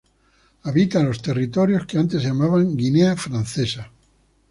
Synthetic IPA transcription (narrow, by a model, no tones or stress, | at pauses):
aβit̪alo̞st̪e̞rit̪o̞ɾjo̞skeant̪e̞zʝamaβaŋɡineafɾan̟θesa